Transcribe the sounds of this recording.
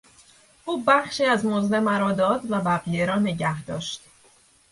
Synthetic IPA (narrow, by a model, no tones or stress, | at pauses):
ʔuːbæχʃiːæzmozle̞mæɾɒːd̪ɒːd̪væbæɣijeɾɒːne̞ɟæhd̪ɒːʃt̪